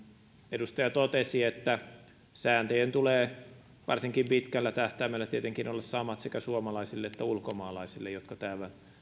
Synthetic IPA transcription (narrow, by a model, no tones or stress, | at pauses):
edust̪ɑjɑt̪ot̪esiet̪ːæ | sæːnt̪ejent̪uleː | ʋɑrsiŋkimpit̪kælːæt̪æht̪æmælːæt̪iet̪eŋkinolːɑssɑmɑt̪sekæsuomɑlɑisilːeet̪ːæulkomɑːlɑisilːejjot̪kɑt̪æːʋæn